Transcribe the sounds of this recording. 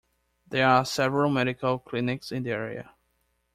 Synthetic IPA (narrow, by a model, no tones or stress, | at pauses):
ðɛ˞asɛvəɹəlˠmɛɾɪkʰəlˠkʰl̥ɪnɪksɪ̃nðiɛɹḭɨ̰